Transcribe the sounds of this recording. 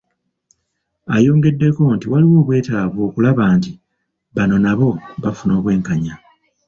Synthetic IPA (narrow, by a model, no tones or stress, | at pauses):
ajo̞ːŋɡe̞dːe̞ko̞ntiwaliwo̞ːβwe̞ːtaːβoːkulaβaːnti | βano̞naβo̞βafuno̞ːβwe̞ːŋkaɲa